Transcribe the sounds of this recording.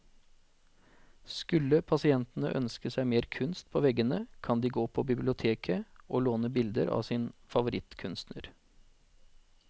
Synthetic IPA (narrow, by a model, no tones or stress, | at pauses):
skʉlːəpʰɑsɪɛnt̪n̩ə̰ʔœ̰nskəsæɪmeːɾkʰʉnst̪̚pʰoːʋɛɡənəkʰɑnd̪iːɡoːpʰɔbɪblɪʊt̪ʰeːkʰəʔoːloːnəbɪld̪əɾʔɑ̰ːʋsɪːnfɑʋʊɾɪt̪kʰʉnst̪nə̰ɾ